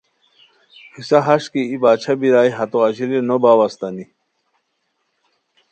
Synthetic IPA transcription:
hʰisaɦaɕkiibaːt͡ɕʰabiɾaːjɦɐt̪oɐd͡ʑiɾenobaːwast̪ani

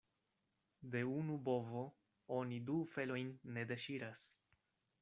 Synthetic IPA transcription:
de̞unubo̞vo̞ | onidufe̞lo̞jnːe̞de̞ʃiɾas

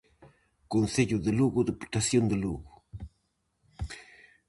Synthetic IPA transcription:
konseʎoðeluɣʊd̪eput̪asjond̪eluɣo

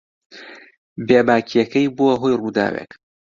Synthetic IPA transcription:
beːbaːkʰijɐkɐjboɐɦojruːd̪a̰ːwḛk

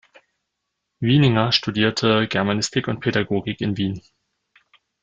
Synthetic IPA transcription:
vinɪŋɐʃtudiːɐtʰəɡɛɐmanɪstʰɪkʊnt̚pʰedaɡoːɡɪkɪnviːn

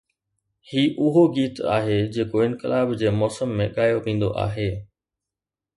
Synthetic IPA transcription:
hiːʔʊɦoɡiːt̪a̰ːɦed͡ʑeːkoɪ̃nkɪ̰laːbd͡ʑeːmɔːsəmːẽɠaːjoʋĩːn̆d̪o̰ʔa̰ːɦeː

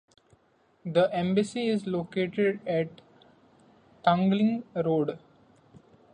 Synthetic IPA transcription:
d̪əʔẽmbəsiɪzloːkeːʈeɖɛʈ | ʈʌ̃ŋɡlɪ̃ŋɾoːɖ

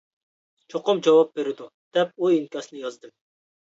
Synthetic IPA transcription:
t͡ʃʰoqʊmd͡ʒɑwɑp̚beɾɪd̪ud̪̥ɛpuinkʲɑsnɨjɑzd̪ɨm

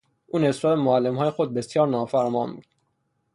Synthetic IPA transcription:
ʔuːne̞sɾɒːd̪emoælːemhɒːjexod̪̚be̞sjɒːɾnɒːfæɾmɒːnbṵd̪̥

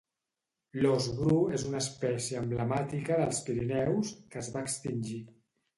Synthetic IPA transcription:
lozɣɾuezunəːspɛsiəːmbləmat̪ikəðəlˠspiɾinɛwskəzβaːkst̪inʲʒi

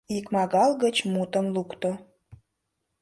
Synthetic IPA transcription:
ikmɑɣɑlɣət͡ɕmut̪ə̆mlukt̪o

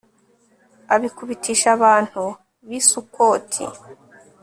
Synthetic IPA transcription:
aβikuβitʰiːʃaβaːn̥hu | βisuko̞ːtʰḭ

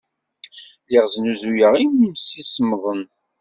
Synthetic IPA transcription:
liʁznuzujəʁimmsismðˤən

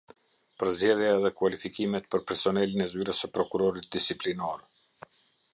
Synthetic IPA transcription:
pəɾzɟɛðjaɛðɛkwalifikimɛt̪̚pəɾpɛɾsɔnɛlinɛzyɾəsəpɾɔkuɾɔɾit̪̚d̪isiplinɔɾ

